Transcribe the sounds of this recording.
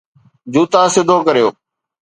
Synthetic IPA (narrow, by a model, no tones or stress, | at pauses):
d͡ʑuːt̪asɪd̪ʱoːkəɾijo̰ː